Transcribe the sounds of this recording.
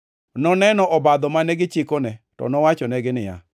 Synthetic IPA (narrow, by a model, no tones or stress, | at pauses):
nɔnɛnɔʔɔbad̪ɔmanɛɡɪt͡ʃɪkɔnɛtɔ̰nɔwat͡ʃɔnɛɡɪnɪja̰